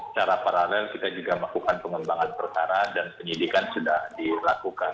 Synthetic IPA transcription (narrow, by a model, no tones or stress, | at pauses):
sə̥t͡ʃaɾapaɾalɛlkit̪ad͡ʒuɡaməlakukanpəŋəmbaŋanpərkaɾadanpəɲidikansudahdilakukan